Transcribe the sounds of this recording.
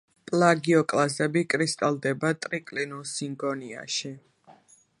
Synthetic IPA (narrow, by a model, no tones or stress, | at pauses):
pʼlˠaɡiɔkʼlazɛbikʼɾist̪ʼalˠd̪ɛbat̪ʼɾikʼlinɔsiŋɡɔnia̰ʃi